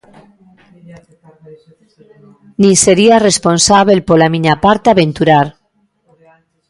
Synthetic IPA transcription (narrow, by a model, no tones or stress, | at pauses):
nĩseɾiaresponsaβ̞elpolamiɲapaɾt̪aβent̪uɾaɾ